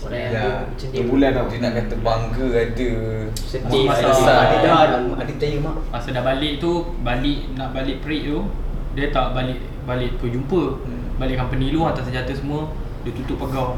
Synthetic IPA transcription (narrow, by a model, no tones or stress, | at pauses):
la | t̪ubulanadinaʔkant̪əbaŋkəad̪ə | səmasaaaiadaadit̪ajəmamasədabalɪʔt̪u | balɪʔnaʔbalɪʔpəɾiʔt̪udiət̪aʔbalɪʔ | balɪʔpəd͡ʒumpə | balɪʔkanpəniluat̪asəd͡ʒat̪əsəmuə | dət̪ut̪ʊʔpəɡaw